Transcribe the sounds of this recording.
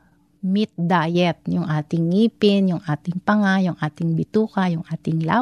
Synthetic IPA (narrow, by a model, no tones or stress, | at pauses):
mɪt̪̚d̪aːjɛt̪̚jʊŋʔaːt̪ɪŋːiːpɪnjʊŋʔaːt̪ɪŋpɐŋajʊŋʔaːt̪ɪŋbɪt̪uːkajʊŋʔaːt̪ɪŋla